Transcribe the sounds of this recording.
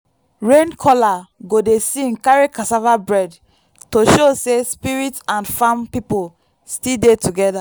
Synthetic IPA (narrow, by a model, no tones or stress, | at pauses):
ɹẽnkʰɔlaɡodesĩnkaɹikasavabɹɛd | toʃosespiɹitãnfãmpipol | stildetuɡɛda